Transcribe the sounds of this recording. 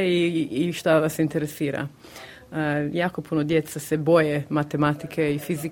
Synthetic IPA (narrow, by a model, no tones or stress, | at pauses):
iːʃt̪aʋasint̪eɾesiːɾa̰ | jaːkopʰunod̪jet̪sasebo̞jemat̪emat̪ikʰeifizi